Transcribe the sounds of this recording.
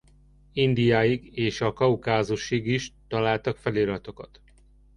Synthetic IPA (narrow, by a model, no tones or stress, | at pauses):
ind̪ijaːjiɡeːʃɒkɒukaːzuʃiɡiʃt̪ɒlaːlt̪ɒkfɛleːɾɒt̪o̞kɒt̪